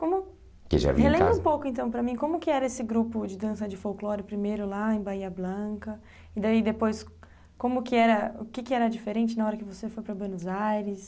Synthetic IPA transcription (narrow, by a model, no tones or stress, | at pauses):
kõmʊ | kɪ̰ʒa̰vḭhelẽbɾũpowkʊẽnt̪ɐ̃w̃pɾɐmĩkõmʊkɪɛɾɐesɪɡɾupʊd͡ʒɪd̪ɐ̃sɐd͡ʒɪfowklɔɾɪpɾimejɾʊlaẽj̃baiɐblɐ̃kɐ | ɪd̪aid̪epojs | kõmʊkɪɛɾɐʊkɪkɪɛɾɐd͡ʒifeɾẽt͡ʃɪnɐɔɾɐkɪvosefojpɾɐbwenʊzajɾɪs